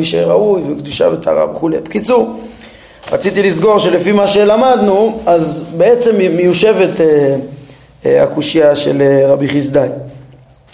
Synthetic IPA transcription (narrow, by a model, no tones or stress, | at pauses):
iʃḛʁaujvekd̪uʃa̰veta̰ʁa̰veχule̞jpkit͡su | ʁat͡sit̪ilis̬ɡo̞ʁʃe̞lefimaʃe̞lamad̪nuazbeet͡se̞mːejuʃe̞vet̪e | a̰kuʃiaʃḛleʁabiχis̬d̪aj